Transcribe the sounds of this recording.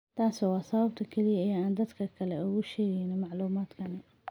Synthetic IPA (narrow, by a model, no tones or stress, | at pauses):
t̪ʰaːsɐwɑːsɐβɐb̚t̪ʰɐkʰɛlɪjɐɐjaaːnd̪ɐd̪kʰɐkʰɐlɛʊɣʊʃɛːɣɛjnɪmɑʕluːmaːd̪kʰɐnɛ